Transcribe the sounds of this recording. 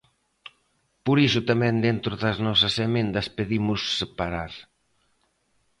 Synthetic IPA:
poɾisʊt̪amɛ̃nd̪ent̪ɾʊðɐznɔsɐsemẽnd̪ɐspeðimʊsːepaɾaɾ

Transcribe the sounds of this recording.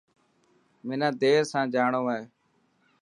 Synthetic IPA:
mɪːnãːd̪eːɾsãːd͡ʒaːɳoːaːɦeː

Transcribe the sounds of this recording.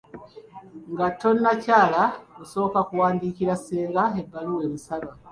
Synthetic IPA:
ŋɡato̞nacaːlauso̞βokakuwaːndikiɾaseːɡaebːaluwe̞βisaβa

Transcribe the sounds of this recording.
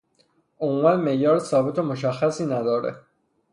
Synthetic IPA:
omuːmænmejɒːɾsɒːbet̪ʰomoʃ̬æxːæsiːnæd̪ɒːɾḛ

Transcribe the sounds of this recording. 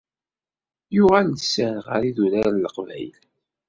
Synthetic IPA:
jʊʁælsænʁə̰ɾiðuɾæɾləqvæ̰jl

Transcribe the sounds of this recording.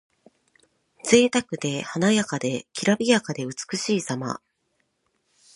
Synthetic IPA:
d͡ze̞ːt̪akɯ̟d̪e̞hanajakad̪e̞kʲiɾabʲijakad̪e̞ɯ̟t͡sɨ̥kɯ̟ɕiːsama̰

